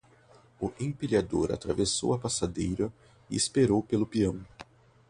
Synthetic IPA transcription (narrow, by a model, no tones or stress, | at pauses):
ʊʔẽpiʎad̪oɾa̰t̪ɾaveso̰wɐpasad̪ejɾɐ | ɪːspeɾowpelʊpiɐ̃w̃